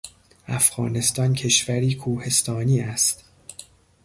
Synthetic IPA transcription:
ʔæfɣɒ̰ːne̞st̪ɒːncʰe̞ʃvæɾiːkʰuːhe̞st̪ʰɒːniːæst̪

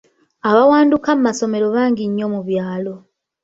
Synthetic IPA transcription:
aβawaːndukammaso̞me̞ɾo̞βaːŋɡiɲːo̞muβjaːlo̞

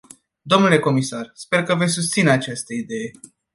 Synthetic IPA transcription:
d̪o̞mnule̞ko̞misarspe̞rkəve̞sʲsust̪sineat͡ʃast̪əid̪e̞je̞

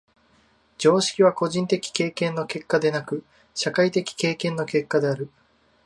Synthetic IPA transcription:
d͡ʑo̞ːɕi̥kʲiβako̞ʑĩnt̪e̞kʲi̥ke̞ːkẽ̞nːo̞ke̞kːad̪e̞nakɯ̟ | ɕakait̪e̞kʲi̥ke̞ːkẽ̞nːo̞ke̞kːad̪e̞aɾɯ̟

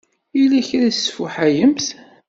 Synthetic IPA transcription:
ilæçɾæsfuħajəmθ

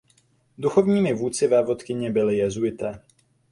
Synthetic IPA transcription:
d̪uxɔvɲiːmɪvuːt͡sɪvaːvɔt̪kɪɲɛbɪlɪjɛzuɪt̪a

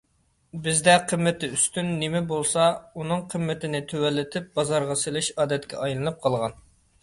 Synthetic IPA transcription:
bɪzd̪ɛqʰəmːɪt̪ɪyst̪ynːɪmɛbolˠsɑunɨŋqʰəmːɪt̪ɪnɪt̪ʰøwɛlːɪt̪ʰɪp̚bɑzɑɾʁɑselˠɪʃɑːd̪ɛt̪kʲʰɛ̰ʔɑjlˠɨnɨp̚qʰɑlˠʁɑ̰n

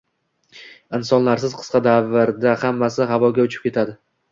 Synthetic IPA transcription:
ɪnsɒnlaɾs̬ɪzqʰɨ̥sqɑd̪avɪɾd̪ahamːasɪɦavɒɡʲaʊt͡ʃʰɪ̥p̚kʲe̞t̪ʰad̪ɪ

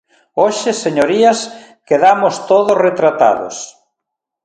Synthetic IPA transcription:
oʃeseɲoɾiɐs | keðamost̪oðosret̪ɾat̪a̰ðo̰s

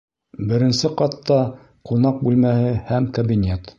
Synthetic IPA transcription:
bɘ̆ɾɘ̆nsɘqɑt̪ːɑ | qunɑq̚bʉlmæhɘhæmkɐbʲinʲet̪

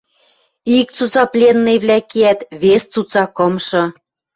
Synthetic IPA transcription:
ik̚t͡sut͡sɑplʲenːĕjβlʲækeæt̪βest͡sut͡sɑkɤ̆mʃɤ̆

